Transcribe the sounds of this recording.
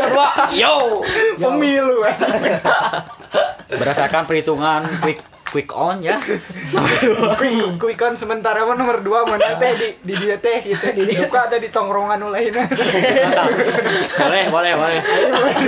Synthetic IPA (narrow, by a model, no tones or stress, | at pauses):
ajopəmiluan | bəɾasakanpəɾit̪uŋankwikː | wikɔnjanoməukwikwikɔnsəmənt̪aɾamanɔmərduamanat̪ɛdididiat̪ɛhɡit̪udiukadadit̪ɔŋɾoŋanulainat̪ə | bolɛhbolɛhbolɛh